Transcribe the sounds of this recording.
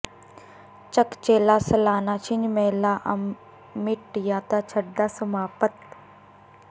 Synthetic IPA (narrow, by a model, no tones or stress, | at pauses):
t͡ʃəkt͡ʃeːlaːsɐlaːnaːt͡ʃʰɪɲd͡ʒmeːlaːʔɐ̰ | mɪʈjaːt̪aːt͡ʃʰəɖɖaːsəmaːpət̪̚